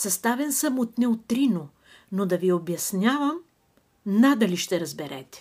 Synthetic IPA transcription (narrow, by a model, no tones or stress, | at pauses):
sɐst̪avɛnsɐmot̪nɛot̪ːɾino | nod̪ɐviobjɐsnʲavəm | nad̪ɐliʃt̪ɛɾɐzbɛɾɛ̰t̪ɛ̥